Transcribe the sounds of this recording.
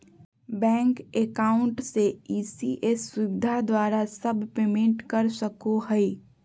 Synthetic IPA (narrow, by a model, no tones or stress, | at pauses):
bɛ̃ːŋkekaːʊɳʈseiːsiʔesːuʋɪd̪ʱad̪waːɾasəbʱpeːmẽɳʈkəɾsəkoɦəi